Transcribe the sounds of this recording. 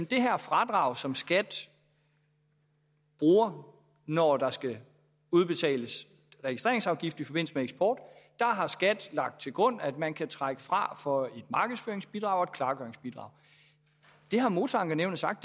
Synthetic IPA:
d̥e̝ɦæɐ̰fʁɑ̈d̥ʁɑ̈ʊsɒ̽msɡ̥æd̥ | b̥ʁuːɐ | nɒd̥ɑ̈sɡ̥æ | uð̞ˠb̥e̝t͡sʰɛ̰ːləs | ʁɛɡisd̥ʁe̝ɐeŋsɑ̈ʊɡ̥ifd̥ifɒ̽b̥e̝n̰l̩səmeeɡsb̥ʰɒːd̥ː | ɑ̈ɦɑ̈sɡ̥æd̥lɑ̈ɡ̥d̥̚t͡sʰe̝lɡ̥ʁɔ̽n̰æd̥mænkʰæt͡sʰʁaɡ̥əfʁɑ̈fɒ̽e̝d̥mɑ̈ːɡ̥əðˠsfø̰ːeŋsb̥id̥ʁɑ̈ʊ̰ɒ̽e̝d̥kʰlɑ̈ːɡ̥œɐeŋsb̥id̥ʁɑ̈ʊ | d̥e̝ɦɑ̈mo̝ːt͡sʰɒɑ̈ŋɡ̥ɑneʊnəsɑ̈ɡ̥̚d̥

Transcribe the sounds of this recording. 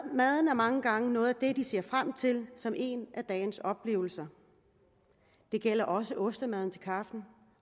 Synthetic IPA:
mæð̞ˠn̩æɐmɑ̈ŋəɡ̥ɑ̈ŋənɔ̽ːð̩ˠæd̥e̝d̥ise̝ɐfʁam̰t͡sʰe̝lsɒ̽mʔe̝næd̥ɛːnsɒ̽b̥le̝̰ːʊl̩sɐ | d̥e̝ɡ̥el̰ɐʔɒ̽səʔɔ̽sd̥ɐmæð̞ˠn̩t͡sʰe̝lkʰɑ̈fd̥n̩

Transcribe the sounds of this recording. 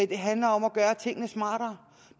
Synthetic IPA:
d̥e̝ɦænlɐɒ̽mæɡ̥ɶːɐt͡sʰe̝ŋ̰nəsmɑ̈ːɾ̥ɐ

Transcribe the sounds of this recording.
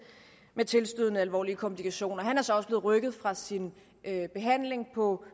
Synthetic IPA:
met͡sʰe̝lsd̥yð̞̰ˠnəælʋɒ̰ːliəkʰɒ̽mpʰlikʰæɕo̝̰ːnɐɦænæɐsɒ̽ɒ̽səb̥leːð̩ˠʁœɡ̥ð̞̩ˠfʁɑ̈sin | øb̥e̝ɦæn̰le̝ŋpʰɒ̽

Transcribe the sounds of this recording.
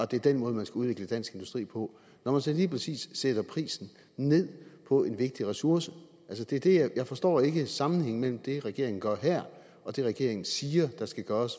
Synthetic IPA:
ɒ̽d̥e̝æɐd̥enmɔ̽ːð̞ˠmænsɡ̥æuð̞ˠʋe̝ɡ̥ləd̥æn̰sɡ̥e̝nd̥usd̥ʁḭːpʰɒ̽ | nɒmænsɒliːpʰʁɛsḭːsːeɾ̥ɐpʰʁḭːsn̩ | ne̝ð̞̰ˠpʰɒ̽e̝nʋe̝ɡ̥̚d̥iʁɛsuɐsə | ælsəd̥e̝æɐd̥e̝jjɑ̈ɪfɒ̽sd̥ɒ̰ːe̝ɡ̥əsɑ̈mn̩heŋ̰mel̰m̩d̥e̝ʁaɡ̥e̝ɐe̝ŋn̩ɡ̥ɶɐ̰ɦæɐ̰ | ɒ̽d̥e̝ʁɛɡ̥e̝ɐe̝ŋn̩siːɐd̥ɑ̈sɡ̥æɡ̥ɶːɐs

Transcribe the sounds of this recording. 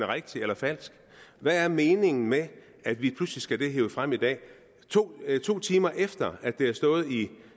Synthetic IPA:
nəʁaɡ̥̚t͡sʰeelɐfæl̰sɡ̥ | ʋææɐme̝ːne̝ŋn̩me | æd̥ʋipʰluslisɡ̥æd̥e̝ɦe̝ːʊəfʁam̰id̥ɛ̰ː | t͡sʰo̝̰ːt͡sʰo̝̰ːt͡sʰiːmɐʔefd̥ɐæd̥e̝æɐsd̥ɔ̽ːð̞̩ˠi

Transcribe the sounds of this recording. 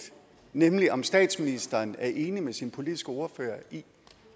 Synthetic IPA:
nemliʔɒ̽msd̥ɛ̰ːd̥sminisd̥ɐːnæɐʔe̝ːnimesinpʰo̝lid̥isɡ̥əo̝ɐfø̰ːɐi

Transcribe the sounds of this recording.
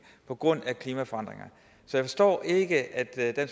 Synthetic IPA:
pʰɒ̽ɡ̥ʁɔ̽n̰ækʰliːmæfɒ̽ɑ̈n̰d̥ʁeŋɐ | sɒ̽jɪfɒ̽sd̥ɒ̰ːʔe̝ɡ̥əʔæd̥d̥ens

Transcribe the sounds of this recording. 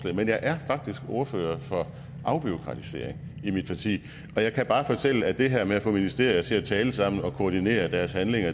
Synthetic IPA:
lɛ̰menjɑ̈ɪʔæɐfɑ̈ɡ̥̚d̥isɡ̥o̝ɐfø̰ːɐfɒ̽ | ʔɑ̈ʊb̥io̝kʰʁɑ̈t͡sʰise̝̰ɐeŋimid̥pʰɑ̈t͡sʰḭː | ɒ̽jɑ̈ɪkʰæb̥ɑ̈ːfɒ̽t͡sʰel̰əæd̥e̝ɦæɐ̰meæfɔ̽minisd̥e̝̰ɐ̰jɐsʰe̝t͡sʰɛːləsɑ̈m̰n̩ɒ̽kʰo̝ːd̥ine̝̰ːɐd̥æɐshænle̝ŋɐ

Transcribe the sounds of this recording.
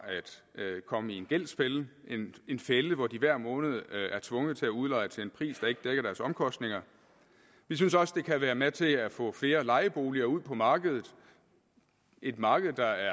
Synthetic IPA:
æd̥kʰɒ̽məie̝nɡ̥el̰spelʔene̝nfeləʋɒd̥iʋæɐ̰mɔ̽ːnəð̞̩ˠæɐt͡sʰʋɔ̽ŋəð̩ˠt͡sʰe̝æuð̞ˠlɑ̈ɪət͡sʰe̝lenpʰʁḭːsd̥ɑ̈e̝ɡ̥əd̥eɡ̥ɐɾ̥æɐsɒ̽mkʰɒ̽sd̥ne̝ŋɐ | ʋis̬ynsɒ̽sə̥d̥e̝kʰæʋæːɐmet͡sʰe̝læfɔ̰̽ːfle̝ːɐlɑ̈ɪəb̥o̝ːliɐuð̰ˠpʰɒ̽mɑ̈ːɡ̥əð̞ˠð̩ˠ | ʔe̝d̥mɑ̈ːɡ̥əð̞̩ˠd̥ɑ̈æɐ

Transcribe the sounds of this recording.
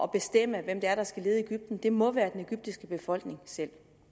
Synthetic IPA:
ɒ̽b̥e̝sd̥em̰əʋem̰d̥e̝æɐɾ̥ɑ̈sɡ̥æle̝ːð̞̩ˠe̝ɡ̥yb̥̚d̥n̩d̥e̝mɒ̽ʋæːɐd̥ene̝ɡ̥yb̥̚d̥isɡ̥əb̥e̝fɒ̽l̰ɡ̥ne̝ŋsel̰

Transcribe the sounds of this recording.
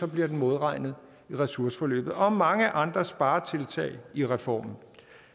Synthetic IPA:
sɒ̽b̥liɐd̥en̩mo̝ð̞ˠʁɑ̈ɪ̰nð̞̩ˠ | iʁɛsuɐsə̥fɒ̽lø̰ːb̥ð̩ˠɒ̽mɑ̈ŋəʔɑ̈nd̥ʁɐsb̥ɑ̈ːɐt͡sʰe̝lt͡sʰɛ̰ːɪiʁɛfɒ̰ːmn̩

